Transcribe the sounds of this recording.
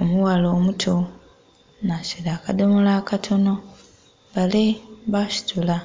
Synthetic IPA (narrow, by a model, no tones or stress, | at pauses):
omuwaloːmutʰo | nasiɾaːkadomulaːkatʰo̞no̞ | βaleβasi̥tʰula